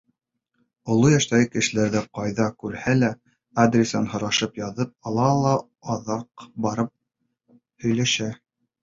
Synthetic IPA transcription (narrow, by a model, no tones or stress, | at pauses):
ŏlˠojæʃt̪æɣɘkɘ̆ʃɘ̆læɾðæqɑjðɑkʉɾhælæ | ad̪rʲesɑnhŏɾɑʃɤpjɑðɤp̚ɑlˠɑlˠɑ | ɑðɑqbɑɾɤp̚ | hɵ̆jlæʃæ